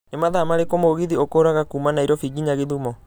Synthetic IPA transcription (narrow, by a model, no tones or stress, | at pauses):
nemaðamaɾekomoɣiðiokoɾaɣakuːmanaiɾɔfiɡiɲaɣeðumɔ